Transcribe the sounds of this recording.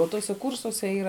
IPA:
oː ˈtuɔsʲɛ ˈkuːrsuɔsʲɛ ˈiːrɐ

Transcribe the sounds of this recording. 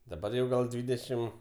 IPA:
dɐˈbɐr jɛʊ ˈɡɐlˠ ˈdʲʋʲiːdʲɛʃʲɪm

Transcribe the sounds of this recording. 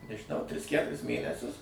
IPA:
nʲɛʒʲɪˈnɐʊ ˈtʲrʲɪs ˈkʲætʊrʲɪs ˈmʲeːnʲɛsʲʊs

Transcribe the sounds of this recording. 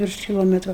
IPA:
ˈʋʲɪrʃ kʲɪˈlˠoːmʲɛtrʊ

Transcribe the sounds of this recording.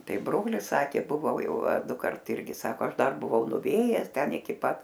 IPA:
ˈtɐɪ ˈbroːlʲɪs ˈsɑːkʲeː bʊˈʋɐʊ ˈjɛʊ ɐ ˈdʊkɐrt ˈɪrʲɡʲɪ ˈsɑːkoː ˈɐʃ ˈdɐr bʊˈʋɐʊ nʊˈʋʲeːjɛs ˈtʲɛn ɪˈkʲɪ ˈpɐt

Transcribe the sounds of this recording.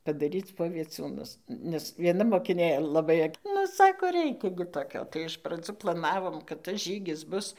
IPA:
pɐdɐˈrʲiːt͡s poː ʋʲiɛˈt͡suːnʊs nʲɛs ʋʲiɛˈnɐ moːkʲɪˈnʲeː lˠɐˈbɐɪ ɐk ˈnʊ ˈsɑːkoː ˈrʲɛɪkʲɛ ɡʲɪ toːˈkʲoː tɐɪ ɪʃ prɐˈd͡zuː plˠɐˈnɑːʋoːm kɐt tɐs ˈʒʲiːɡʲɪs ˈbʊs

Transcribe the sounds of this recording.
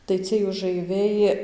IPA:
tɐɪ ˈt͡sʲiɛj ʊʒɐɪˈʋʲɛɪ

